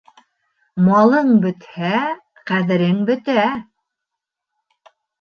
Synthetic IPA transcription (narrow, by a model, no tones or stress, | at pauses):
mɑlˠɤɴbɵ̆t̪hæ | qæðɘ̆ɾɘŋbɵ̆t̪æ